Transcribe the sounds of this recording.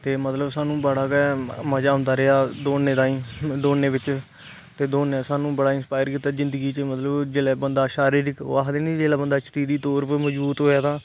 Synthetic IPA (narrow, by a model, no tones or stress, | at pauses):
t̪eːmət̪ləbsaːnũːbəɽaːkɛːməd͡ʒaːɦʊ̃nd̪aːɾeaːd̪oːneːd̪aːĩːd̪oːneːbɪt͡ʃ | t̪eːd̪oːnɛːsaːnũːbəɽaːɪnspaːjəɾkiːt̪ːaːzɪnd̪əɡiːt͡ʃəmət̪ləbd͡ʒeːlɛːbənd̪aːʃaːɾiːɾɪkːaːɦd̪eːnid͡ʒeːlaːbənd̪aːsʈiːd̪iːt̪oːɾpɛːməd͡ʒbuːt̪ɦoːjaːt̪ʰaː